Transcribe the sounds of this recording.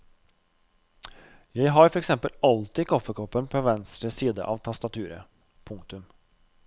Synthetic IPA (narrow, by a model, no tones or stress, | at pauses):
jæɪɦɑɾfɔɾɛksɛmpəlɑlt̪ɪːkʰɔfəkʰɔpːənpʰoːʋɛnst̪ɾəsiːd̪ə̰ʔɑʋt̪ʰɑst̪ɑt̪ʰʉːɾə̰ | pʰʊŋkt̪ʉm